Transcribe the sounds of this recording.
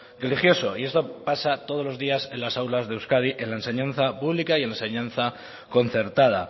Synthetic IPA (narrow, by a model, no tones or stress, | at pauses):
relixjo̞so̞ie̞st̪o̞pasat̪o̞ð̞o̞lo̞zðiase̞nlasawlazðewskaðiʔe̞nlaense̞ɲãn̟θapuβlikaienlaense̞ɲãnθa | ko̞n̟θe̞ɾt̪að̞a̰